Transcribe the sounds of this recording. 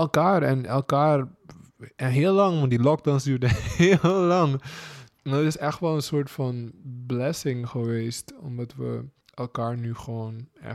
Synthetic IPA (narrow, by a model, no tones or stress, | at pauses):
ɛlˠkaːɹɛ̰nɛ̰lˠkaːr | ɛɦɪːlːɑŋʋɔndilɔk̚dawnsdyːɹdəhellɑŋ | naətɪsɛxtʋɛlənsoːɹtfɑnblɛsɪŋχəʋeːstɔ̰mdɑtʋə̰ | ʔɛlˠkaːɹnyχəʋoːnɛ̰